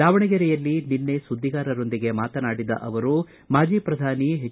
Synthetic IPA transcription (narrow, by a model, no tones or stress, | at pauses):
aːʋɐɳɛɡɐɾɛjɐlːininːesud̪ʱːiɡaːɾɐɾo̞nd̪iɡe̞maːt̪ɐnaːɽid̪ɐ̰ʔɐʋɐɾu | maːd͡ʒiːpɾɐd̪ʱaːniɦe